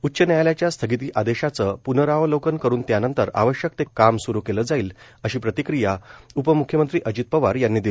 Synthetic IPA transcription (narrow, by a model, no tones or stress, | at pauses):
utːɕənajaljat͡ɕjast̪ʰəɡit̪iːʔad̪eɕat͡səpunəɾaʋlokənkəɾuːnt̪janənt̪əɾa̰ʋəɕjək̚t̪ekamsuɾukeləːd͡zaiːl | əɕiːpɾət̪ikɾijaupəmukʰjəmənt̪ɾiːʔəd͡ʑit̪̚pəʋaɾjanːiːd̪il